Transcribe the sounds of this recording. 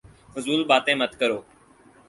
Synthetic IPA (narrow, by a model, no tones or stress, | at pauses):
fʊzuːlɓaːt̪ẽːmət̪kəɾoː